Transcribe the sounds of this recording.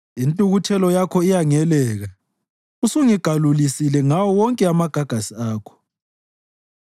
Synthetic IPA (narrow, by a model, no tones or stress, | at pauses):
intʼuɣutʰɛlɔjakʰɔijaŋɛlɛːɣa | usuŋiɡ̥ʱalulisilɛŋawɔwɔŋkʼɛamaɡ̥ʱaɡ̥ʱasiaːkʰɔ̥